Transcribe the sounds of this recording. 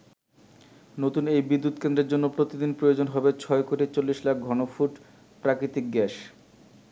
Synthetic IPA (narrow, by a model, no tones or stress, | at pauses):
not̪unejbid̪ːut̪kend̪ɾeɾd͡ʑonːopɾot̪id̪inpɾojod͡ʑonɦɔbet͡ɕʰɔekoʈit͡ɕolːiʃlak̚ʰɡʱɔnofuʈ | pɾakɾit̪ik̚ɡɛʃ